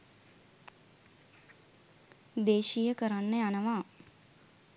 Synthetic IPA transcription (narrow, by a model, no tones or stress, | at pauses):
d̪eːʃijəkəɾanːəjanəʋaː